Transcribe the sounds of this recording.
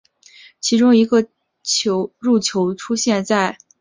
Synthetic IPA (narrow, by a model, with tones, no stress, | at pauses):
t͡ɕʰi˧˥ʈ͡ʂʊ˥ŋi˧˥ɡə˧ | t͡ɕʰo˧˥ʊɻu˥˩t͡ɕʰjo˧˥ʊʈ͡ʂʰu˥ɕjɛ˥˧nt͡sa˥˩ɪ